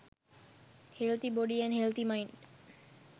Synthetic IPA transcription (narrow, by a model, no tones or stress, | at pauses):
helt̪ibɔɖiɛnhelt̪imajnɖ